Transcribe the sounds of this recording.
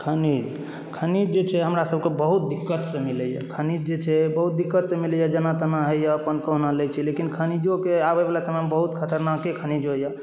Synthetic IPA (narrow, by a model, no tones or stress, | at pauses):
kʰənid͡ʒ | kʰənid͡ʒd͡ʒet͡ʃʰɛɦəmɾasəb̚ʱkebəɦut̪̚d̪ikːət̪sẽmiləjə̰kʰənid͡ʒd͡ʒet͡ʃʰɛbəɦut̪̚d̪ikːət̪sẽmilɛjad͡ʒənat̪ənaɦəjəəpənkəɦnalɛt͡ʃʰɛlekinkʰənid͡ʒokeabebelasəmembəɦut̪kʰət̪əɾnakekʰənid͡ʒojə